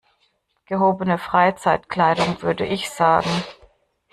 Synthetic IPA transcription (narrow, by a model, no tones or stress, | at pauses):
ɡ̥əɦoːbənəfʁ̥aɪt͡saɪtkl̥aɪdʊŋvʏɐdəʔɪçz̥aːɡŋ̩